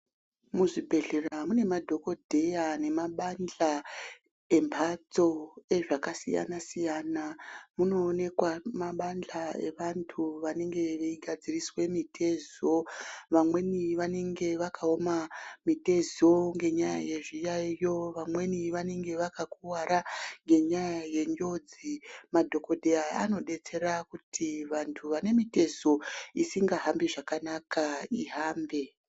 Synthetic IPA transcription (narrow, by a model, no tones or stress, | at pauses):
muʐibʱe̞ɮe̞ramune̞madʱo̞ko̞dʱe̞jane̞maɓand͡ɮa | e̞mbʱat͡so̞e̞ʐakasḭja̰nasijanamuno̞ːne̞kwamaɓand͡ɮae̞̰ʋantʰuʋane̞ŋɡe̞ʋeiɡʱad͡ziriswe̞mitʰe̞zo̞ʋamwe̞niʋane̞ŋɡe̞ʋakʰaomamite̞zo̞ŋɡe̞ɲaja̰je̞ʐijajo̞ʋamwe̞niʋane̞ŋɡe̞ʋakakuwaɾaŋɡe̞ɲajaje̞ɲd͡ʒo̞d͡zimadʱo̞ko̞dʱeaa̰no̞ɗe̞t͡se̞rakutʰiʋantʰuʋane̞mite̞zo̞isiŋɡaɦambiʐakanakaiɦaːmbe̞